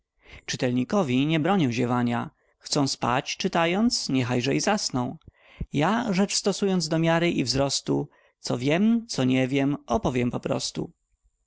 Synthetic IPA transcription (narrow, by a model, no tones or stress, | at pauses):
t͡ʂɘt̪ɛlɲikɔvʲiɲɛbɾɔɲiwʑɛvaɲa | xt̪sɔ̃w̃spa̰t͡ɕt͡ʂɘt̪ajɔnt̪sɲɛxajʐɛizasnɔ̃w̃ | jaʐɛt͡ʂst̪ɔsujɔnd̪zd̪ɔmʲjaɾɘʔivzɾɔst̪u | t̪sɔvʲjɛmt̪sɔɲɛvʲjɛmɔpɔvʲjɛmpɔpɾɔ̰st̪ṵ